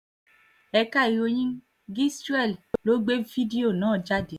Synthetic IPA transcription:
ɛ˧ka˦˨i˨jo˧˦ɲĩ˦ | ɡi˦stu˦ɛ˦˨llo˨˦ɡ͡be˦vi˦di˦o˨nãː˨˦˨d͡ʒa˦de˨

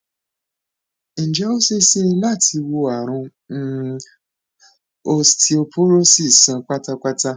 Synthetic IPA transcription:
n̩˨d͡ʒɛ˨˦o˦se˦se˦la˦˨ti˧wo˧a˨ɾ̃ũ˧˦ | o˧stʰi˧o˧pu˦ɾo˦si˦˨sã˨˧k͡pa˦ta˧k͡pa˦ta˦

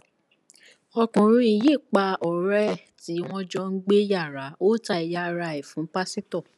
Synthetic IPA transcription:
ɔ˧kũ˨ɾ̃ũ˧˦i˨je˦˨k͡pa˧ɔ˨ɾɛ˦˨ti˨˦w̃ɔ̃˦d͡ʒɔ˦ŋ̩˦ɡ͡be˦ja˦˨ɾa˨˦o˦ta˧i˨ja˧ɾa˧˨i˨fũ˨˦pa˦sĩ˦tɔ˦˨

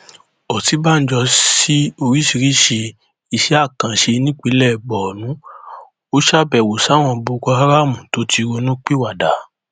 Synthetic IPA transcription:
ɔ˨ti˨˦ba˦n̩˨˦d͡ʒɔ˧si˦o˧ɾi˦ʃi˧ɾi˦ʃe˧ | i˧ʃɛ˨˦a˦˨kã˨ʃe˧nĩ˦k͡pe˨˦lɛ˦˨ɡ͡bɔ˨nũ˨˦ | o˦ʃa˦˨bɛ˨wo˨sa˨˦w̃ɔ̃˧bo˧kɔ˧ha˦ɾa˦˨mũ˨to˨˦tʰi˧ɾo˧nũ˦k͡pi˦˨wa˨da˨˦

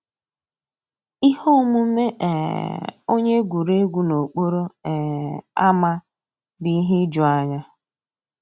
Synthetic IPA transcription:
i˦ho˦mʊ˦me˦ʔɛ̰˨o˦ɲe˦ɡʷu˨ɾe˦ɡʷu˦no˨k͡po˦ɾo˦ɛ˨a˦ma˦ | bi˦ɦɪ˦d͡ʒʊ˨a˦ɲa˦

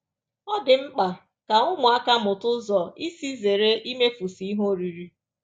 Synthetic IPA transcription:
ɔ˦dɪ˨ŋ͡m̩˦k͡pa˨ | ka˨ŋʊ˦mʊ˨a˦ka˦mʊ˨tʊ˦zɔ˨i˦si˦ze˨ɾe˦ʔi˦me˦fu˨si˨˦i˦ɦo˦ɾi˨ɾi˦

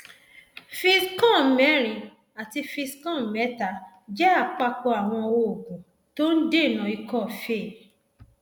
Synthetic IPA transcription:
fi˧skɔ̃˦˨˦mɛ˨˦ɾ̃ĩ˨ | a˨ti˧fi˧skɔ̃˦˨˦mɛ˨˦ta˨˧ | d͡ʒɛ˦a˦˨k͡pa˧k͡pɔ˧a˨w̃ɔ̃˧o˧˨kũ˨ | to˦n̩˦de˦˨nã˨i˧kɔ˦˨fe˦˨

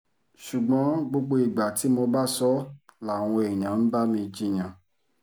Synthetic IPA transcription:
ʃu˨ɡ͡bɔ̃˨˦ɡ͡bo˧ɡ͡bo˧i˨ɡ͡ba˨ti˨˦mo˧ba˦sɔ˦la˨w̃ɔ̃˧e˨i˨j̃ã˨n̩˦ba˦mĩ˧d͡ʒi˦˨j̃ã˨

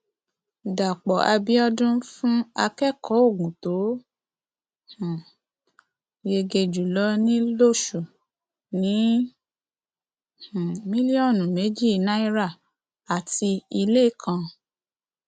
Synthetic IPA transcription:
da˨k͡pɔ˨ʔa˧bi˦ɔ˦dũ˦fũ˦a˧kɛ˦˨kɔ˨˦o˦˨ɡũ˨to˨˦ | hũ˨ | je˧ɡe˧d͡ʒu˨lɔ˦nĩ˦lo˦˨ʃu˨ | nĩ˨˦ | h̩˨mĩ˦li˦ɔ˦˨nũ˨me˨˦d͡ʒi˦˨nã˦i˦ɾa˦˨ | a˨ti˧i˧le˦˨kʰã˧

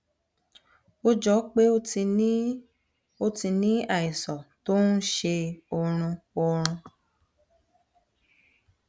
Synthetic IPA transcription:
o˦d͡ʒɔ˨˦k͡pe˦o˦i˧˦ | o˧ti˧nĩ˦a˦˨i˨sɔ˨to˦n̩˦ʃe˧ɔ˧ɾ̃ũ˧ɔ˧ɾ̃ũ˧

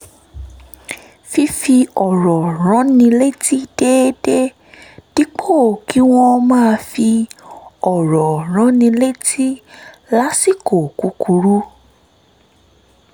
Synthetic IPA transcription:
fi˧fi˧ɔ˨ɾɔ˨ɾ̃ã˨˦nĩ˧le˦ti˦d̥e˦de˦ | d̥i˦k͡pʰo˦˨ki˨˦w̃ɔ̃˧mãː˦˧fi˧ | ɔ˨ɾɔ˨ɾ̃ã˨˦nĩ˧le˦tʰi˦ | la˦si˦˨ko˨ku˨˦ku˧ɾu˦

